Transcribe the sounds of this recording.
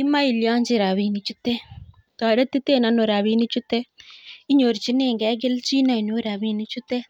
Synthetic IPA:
i˦ma˦i˨ljɔ˦ɲd͡ʒi˨ɾa˨wi˨nit͡ʃu˦t̪ːe˦ | t̪a˨ɽe˦t̪i˦t̪e˦na˦no˨ɾa˨wini˦t͡ʃu˦t̪e˦i˦ɲo˨ɾt͡ʃi˦ne˦ŋɡɛ˦ɡɪ˦lt͡ʃi˦na˨i˨nu˦ɾa˨wi˧ni˦t͡ʃu˦t̪e˦

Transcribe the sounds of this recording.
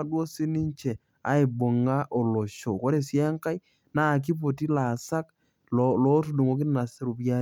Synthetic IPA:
a˦dwo˦sɪ˦nɪ˦ɲt͡ʃɛ˨ | a̰˨ɪ˨bo˨ŋa˦ʔo˨lo˨ʃo˨ko˦ɾe˨sɪ˦ŋka˦j | na˦˨k̬i˦p̬o˨ti˦la˨sa˦k | llo˦tu˨du˨ŋo˨˦k̬ɪ˦n˦na˨sɪ˦ɾu˨pja˦

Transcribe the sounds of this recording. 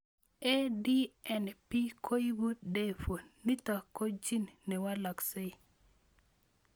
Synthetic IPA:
e˦di˦ɛ˨npi˦kʰo˦i˦bu˦t̪de˦fo˨nni˦ta˨ko˦d͡ʒi˦nnɛ˨wa˦lɔ˨kse˦˨

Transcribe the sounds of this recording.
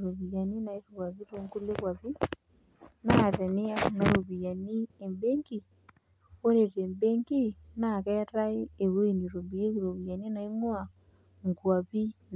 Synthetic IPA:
ɾo˨βi˨a˨ni˦na˨i˦soɣwa˨βi˦ɾo˦ŋku˦le˦kwa˨βi˦ | na˦˨tɛ˨ni˦a˦na˨ɾo˨βi˨ja˨ni˦e˨mbe˦ŋki˦˨ | o˦ɾe˨teː˨mbeː˦ŋki˦na˨kɛ˦ta˦eː˦˨wo˦i˨ni˨ɾo˨βi˨e˦ki˨ɾo˨βi˨a˨ni˦na˨i˦mwa˨ | ŋɡwa˨βi˦n

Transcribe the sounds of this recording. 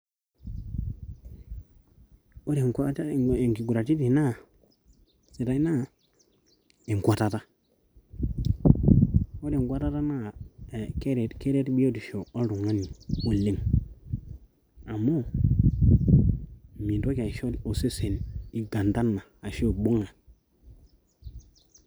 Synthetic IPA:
o˦de˨ŋka˦te˨ŋki˨ɡu˨ɾa˨ti˦di˨na˦˨ | si˨ta˦i˦na˦˨ | e˨ŋ˨kʷa˨ta˦ta˦ | o˦de˨ŋɡʷa˦ta˦ta˦na˦˨ke˦ɾe˨ke˦ɾe˦tbi˦o˦di˨ʃo˨o˦ɾu˨ŋa˦ni˨o˨le˦ŋ | a˨mːo˦˨ | mi˨do˦ka˨i˨ʃo˦lo˨se˦se˨ni˨ɡa˨nda˦nːa˨a˨ʃo˦˨bo˦ŋa˨

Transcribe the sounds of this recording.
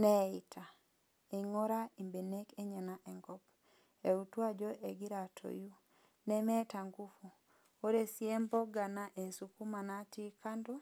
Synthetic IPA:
nɛ˦i˨tʰa˨ | e˨ŋo˦ɾa˦i˨mbe˨ne˦ke˦ɲa˨naʔɛ˨ŋɡɔ˦p | e˨utwa˦d͡ʒɔ˦ʔe˨ɡi˦ɾa˨tʰo̰˨ju˦ | nɛ˦mɛ˦ta˨ŋɡu˦fu˨ | o˦ɾe˨sje˦mbɔ˦ɡa˨naʔe˨su˨ku˦ma˨na˦ti˦ka˦ndɔ˦

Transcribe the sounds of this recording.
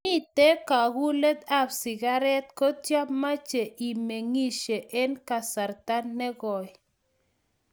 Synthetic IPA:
mi˦t̪e˦ka˨ɡu˦lɛ˦d̪a˦psɪ˨ɡa˦ɾɛ˦t̪̚kɔ˦tja˦pma˦t͡ʃe˨ʔi˨me˨ŋi˦ʃe˨ʔe˦nka˨sa˨ɾt̪a˦nːɛ˦ɡɔ˨

